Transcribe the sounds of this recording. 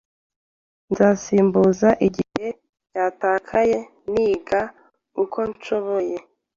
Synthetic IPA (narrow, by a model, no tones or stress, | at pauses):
nzaːsiːmbuzaʔiɟihe̞ | caːtaːkʰaje̞ | niːɡa | ukʰo̞nt͡ʃo̞βoje̞